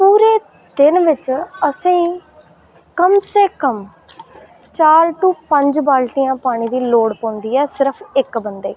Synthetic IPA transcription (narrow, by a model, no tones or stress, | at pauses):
puːɾeː | d̪ɪnʋɪt͡ʃəsĩː | kəmseːkəm | t͡ʃaːɾʈuːpəɲd͡ʒbaːlʈijãːpaːɽ̃iːd̪iːloːɽpõːnd̪iːɛːsɪɾəpʰɪkbənd̪eː